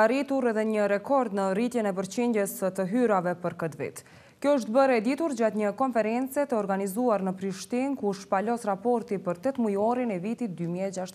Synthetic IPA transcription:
aɾit̪uɾɛðɛɲəɾɛkɔɾd̪nərit̪jɛnɛp̬əɾt͡ɕind̪jɛsət̪əɦyɾavɛpəɾkət̪vḭt̪ | kjɔəʃ̬t̪̚bəɾɛd̪it̪uɾd͡ʑat̪ɲəkɔnfɛɾɛnt͡sɛt̪əɔɾɡanizuaɾnəpɾiʃt̪inkuʃpalɔsɾapɔɾt̪ipəɾt̪ɛt̪mujɔɾinɛvit̪it̪̚d̪ymiɛd͡ʒaʃt̪

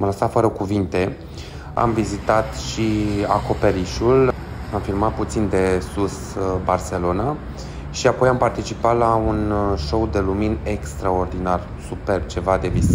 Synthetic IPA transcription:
mləsat̪fəɾəkuvint̪e̞ | a̰mvizit̪at̪ʃiako̞pe̞ɾiʃul | amfilmat̪̚put̪sind̪e̞sus | barse̞lo̞na | ʃiapo̞jampart̪it͡ʃipat̪launʃo̞wd̪e̞lumine̞kst̪ɾao̞rd̪inar | supe̞rb̚t͡ʃe̞vad̪e̞vis

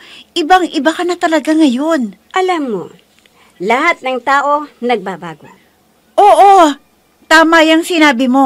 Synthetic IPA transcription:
ʔɪbaŋʔɪbakɐnɐt̪ɐlɐɡaŋɐjo̞n | ʔɐlamːo̰ | lɐhat̪̚nɐŋt̪aːʔonɐɡ̚babaːɡa̰ | ʔoːʔo | t̪aːmɐjɐŋsɪnaːbɪmo̞

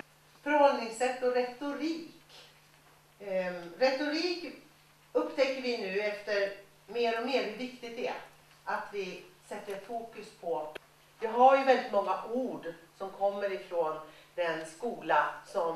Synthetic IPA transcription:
fœɾhɔld̪nɪŋsɛt̪ːɔɾɛt̪ʊɾiːk | ɾɛt̪ʊɾiːk | ɵpːt̪ʰɛkːəɾvɪnʉ̟ːɛft̪əɾ | meːɾɔmeːɾhɵɾvɪkt̪ɪɡt̪ɛɛ | at̪vɪsɛt̪ːəɾfuːkɵspʰɔ | vɪɦaɾjɵvɛld̪ɪt̪mɔŋːaʔuːɖsɔmkʰɔmːəɾɪfɾoːnd̪ɛnskuːlasɔm

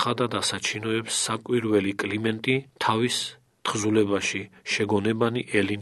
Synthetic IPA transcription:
ad̪ad̪asat͡ʃʰinɔɛpsːakʼwiɾvɛlikʼlimɛnt̪ʼit̪ʰavis | t̪χzulɛbaʃiʃɛɡɔnɛbaniʔɛlin

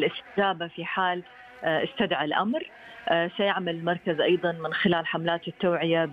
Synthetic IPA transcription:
lʔɪst̪ɪd͡ʒaːbafiħaːl | ʔɪst̪ad̪ʕalʔamɾ | sajaʕmalɪlmɑɾˤkazʔɑjðˤɑnmɪnxɪlaːlħamlaːt̪ɪt̪ːaːʕɪja

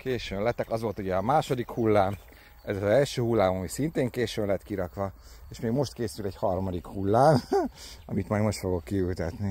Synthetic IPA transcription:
keːʃøːnlɛt̪ɛkɒzʋo̞lt̪uɟɛɒmaːʃo̞d̪ikhulːaːm | ɛzɒzɛlʃøːhulːaːmɒmisint̪eːŋkeːʃøːnlɛt̪kiɾɒkʋɒ | eːʃmeːɡmo̞ʃt̪keːsylɛɟhɒrmɒd̪ikhulːaːm | ɒmit̪mɒjɡmo̞ʃt̪fo̞ɡo̞kːiylt̪ɛt̪ni

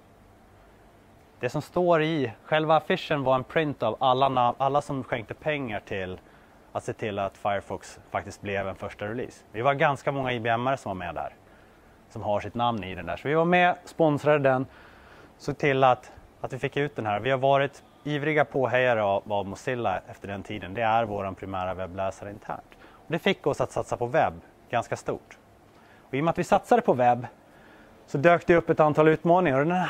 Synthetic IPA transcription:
d̪̥ɛsɔmst̪oːɾɪɧɛlvaːfɪʂːənvaɾɛnpʰɾɪnt̪avalːanaʔalːasɔmɧɛŋk̚t̪əpʰɛŋːaʈʰɪl | at̪seːt̪ʰɪlːat̪fajəɾfɔksfak̚t̪ɪst̪̚blɛvɛnfœʂʈaɾɛlḭːsvɪvaɡanskamɔŋːaiːbɛɛmːaɾəsɔmvaɾmɛ̰d̪æ̰ːɾ | sɔmɦaʂɪt̪namnɪd̪ɛndæ̰ːʂɔvɪvaɾmɛspɔnsɾad̪əd̪ɛn | sɔt̪ʰɪlːat̪ | at̪vɪfɪkːʉ̟ːt̪̚d̪ɛnɦæːɾvɪhaɾvɑːɾɪt̪ | iːvɾɪɡapʰoːɦɛjaɾəaavmʊsɪlːa̰ʔɛft̪əɖɛnt̪ʰiːd̪ənd̪ɛæɾvo̰ːɾanpʰɾɪmæːɾavɛblɛːsaɾəɪnt̪ʰæ̰ːɳʈ | ɔd̪ɛfɪkːɔsat̪sat̪sapʰɔvɛbː | ɡ̥anskast̪ṵːʈ | ɔɪjɔmɛat̪vɪsat̪sad̪əpʰɔvɛbː | sɔd̪øːkt̪əɪɵpːɛt̪ant̪ʰɑːlʉ̟ːt̪mɑːnɪŋaɾɔd̪ɛn

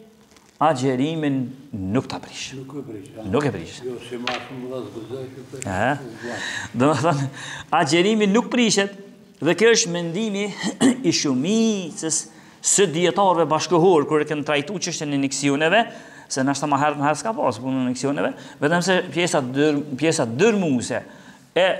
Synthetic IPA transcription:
ad͡ʒɛɾiminːukt̪apɾiʃ | nukɛpɾḭʃ | ɛɦɛ | d̪ɔməθɔnad͡ʒɛɾiminːuk̚pɾiʃɛt̪ | ðɛkjɔəʃt̪mɛnd̪imiːʃumit͡səsː | əd̪iɛt̪ɑɾvɛbaʃkɔɦɔɾkuɾɛkɛnt̪ɾajt̪ut͡ʃəʃt̪jɛnɛnɛksiɔnɛvɛ | sɛnaʃt̪amaɦɛɾmhɛɾskapɑspunnnɛksiɔnɛvɛvɛt̪ɛms̬ɛpjɛsapjɛsat̪d̪əɾmusɛ | ɛ

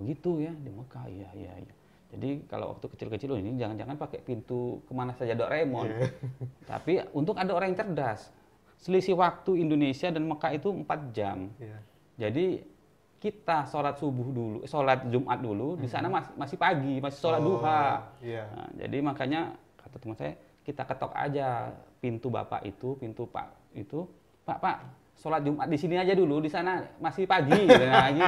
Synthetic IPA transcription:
bəɡit̪ujadiməkaḭjaija̰ḭja | d͡ʒadika̰la̰wa̰k̚t̪ukət͡ʃɪlkət͡ʃɪluninid͡ʒaŋand͡ʒaŋanpakɛpint̪ukəmanasad͡ʒadɔʔɾemɔn | t̪a̰piunt̪ʊkadaoɾaŋjaŋt͡ʃərdasː | əlisiwak̚t̪uindonesiadanməkait̪uəmpat̪̚d͡ʒam | d͡ʒadi | kit̪asolat̪̚subʊhdulṵsolat̪̚d͡ʒumʔa̰t̪̚duludisa̰namamasɪhpaɡimasɪ̥solat̪̚duɦa̰ | d͡ʒa̰dimakaɲa | kat̪at̪umansa̰ja̰ | kit̪akət̪ɔ̰ka̰d͡ʒapint̪uba̰pa̰ʔḭt̪upint̪upa̰ʔ | it̪u | pa̰ʔpaʔ | solat̪̚d͡ʒumʔat̪̚disiniad͡ʒaduludisanamasɪpaɡidanaaɡi

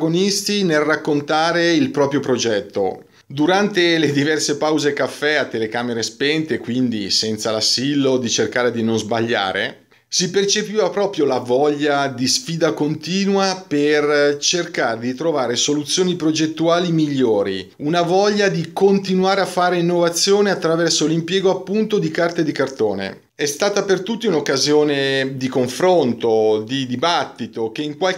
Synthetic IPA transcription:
ɡonist̪inelrakːont̪aːɾeilpɾɔːpɾjopɾod͡ʒɛt̪ːo̰ | d̪uɾant̪eled̪ivɛrsepawzekafːɛat̪ːelekaːmeɾespɛnt̪ekwind̪ḭsɛnt̪salasːilːod̪it͡ʃerkaːɾed̪inonzbaʎːa̰ːɾḛ | sipert͡ʃepiːvapɾɔːpɾjolavɔʎːad̪isfiːd̪akont̪iːnwapert͡ʃerkaːɾed̪it̪ɾovaːɾesolut̪sːjoːnipɾod͡ʒet̪ːuaːlimiʎːoːɾḭ | unavɔʎːad̪ikont̪inuaːɾeafːaːɾeinːovat̪sːjoːneat̪ːɾavɛrsolimpjɛːɡoapːunt̪od̪ikart̪ed̪ikart̪oːnḛ | ɛst̪aːt̪apert̪ut̪ːiunokːazjoːned̪ikoɱfɾont̪od̪id̪ibat̪ːit̪ok̟eiŋkwal

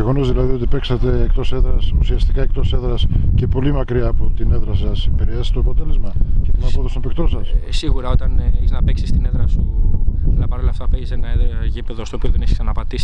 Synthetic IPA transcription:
eɣo̞no̞zðilɐðio̞t̪ipe̞ksɐt̪e̞ːkt̪o̞se̞ðɾɐsusiɐst̪ikɐe̞kt̪o̞seðɾɐsce̞po̞limɐkɾiɐːpo̞t̪ine̞ðɾɐsɐspeɾieeset̪oɐpo̞t̪e̞le̞zmɐcet̪onɐpoðost̪opekt̪o̞sɐssiɣuɾɐo̞t̪ɐneçiznɐpeksi̥st̪ineðɾɐsu | lɐpɐɾolɐft̪ɐpeʝisenɐʝipeðost̪opioðenisi̥sɐnɐpɐd̪isi

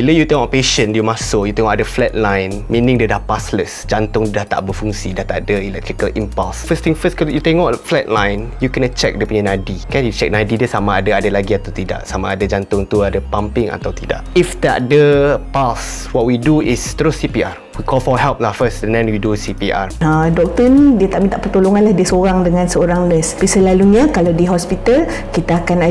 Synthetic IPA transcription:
wiləjut̪ɛ̃ŋɔpeʃə̃njumasojut̪ẽŋɔʔdəflɛt̚lãjnmĩnĩŋdədapasləsd͡ʒãnt̪ʊŋudaht̪a̰ʔbəfuŋsidat̪aʔdəilɛk̚t̪ɾikəlʔĩmpalsfəst̪ĩŋfəskɔsjut̪ẽŋɔʔflɛt̚lãjnjukɛnət͡ʃɛ̰k̚dəpĩɲə̃najdikãnjut͡ʃɛk̚najdidəsamaadəadəlaɡiat̪awt̪ida̰ʔsamaːdəd͡ʒãnt̪ʊŋt̪uadəpãmpĩŋa̰t̪awt̪ida̰ʔifdɛ̰ʔ̚dəpals | wɔt̚widuist̪ɾosipiaɹ | wikɔlfɔɦɛlp̚nafəsɛ̃ndɛ̃nwidusipiʔa̰ɹadɔk̚t̪əndiət̪aʔmĩnt̪aʔpərt̪oloŋãnlahdiəsoɾaŋdəŋãnsəoɾaŋnəspisəlaluɲãkalawdiɦɔspit̪al | kit̪aakana

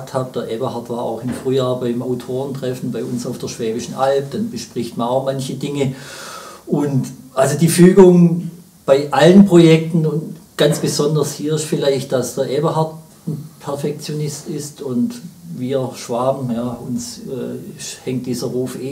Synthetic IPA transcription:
k̚thaːp̚d̥əɐʔeːbɐhaɐtv̥aːa̰ʊxɪmfʁ̥yːjaːbaɪmaʊtʰoːʁəntʁ̥ɛfn̩baɪʊnsaʊfd̥əɐʃv̥ɛːbɪʃn̩ʔalp̚d̥anbəʃpʁ̥ɪçtmɐnaʊxmançədɪŋə | ʔʊntʔalzodiːfyːɡʊŋ | b̥aɪʔalənpʁ̥ojɛk̚tn̩ʊntɡ̥ant͡sb̥əzɔndɐshiːɐɪstfɪlaɪçt̚d̥asd̥əɐʔeːbɐɦaɐt | n̩pʰɛɐfɛk̚t͡sjonɪstɪstʊntviːɐʃv̥aːbm̩jaːʊnsɛːʃhɛŋt̚d̥iːzɐʁuːfeː

